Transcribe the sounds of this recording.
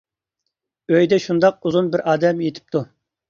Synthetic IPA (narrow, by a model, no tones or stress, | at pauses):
øjd̪ɛʃund̪ɑq̚uzunbɪɾɑːd̪ɛmjet̪ʰɪ̥p̚t̪ʰu